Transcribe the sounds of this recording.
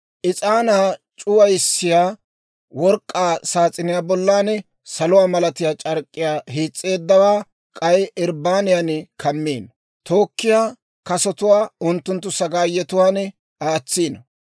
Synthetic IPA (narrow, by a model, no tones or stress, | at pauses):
ʔɪt͡sʼaːnaːt͡ʃʼʊwɐjɪsːɪjaː | wɔɾkʼːaːsaːt͡sʼɪnɪjaːbɔlːaːnɛ | sɐlʊwaːmɐlɐt̪ɪjaːt͡ʃʼɐɾkʼːɪjaːɦiːt͡sʼːe̞ːd̪ːɐwaː | kʼɐjɪɾbaːnɪjanɛkʰɐmːiːn | t̪o̞ːkːɪjaː | kɐsɔt̪ʊwaːʊnt̪ːʊnt̪ːʊsɐɡaːjːɛt̪ʊwaːnɛ | aːt͡sːiːnɐ